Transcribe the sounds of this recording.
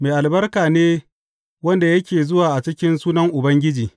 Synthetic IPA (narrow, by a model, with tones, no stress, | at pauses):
meː˨ʔa˨lbɐ˦rkaː˨neː˦ | wɐ˦nda˨jɐ˦kʲeː˨zʊ˦waː˨ʔa˨t͡ʃɪ˦kʲɪ˦nsuː˦nɐ˦ŋʔʊ˨bɐ˦ŋɡʲɪ˦d͡ʒiː˨